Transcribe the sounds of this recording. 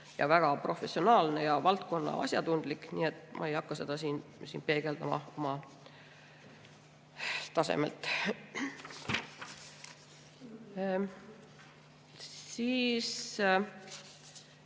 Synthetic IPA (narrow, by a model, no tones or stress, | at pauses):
jɑ̰væɡ̥ɑpro̞fe̞sio̞nɑːlne̞jɑvɑlt̪̚ko̞nːɑ̰ɑ̰sjɑt̪und̪̥likniːe̞t̪ːmʔɑ̰ejɑkːɑse̞d̪̥ɑsiːnsḭːnpe̞ːɡ̥e̞ld̪ɑmɑ̰o̞mɑ | t̪ɑsḛmelt̪ːˑ | iːs